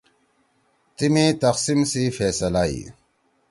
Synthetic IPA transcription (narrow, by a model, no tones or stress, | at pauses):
t̪imit̪ɐqsimsifeːsɐlaḭ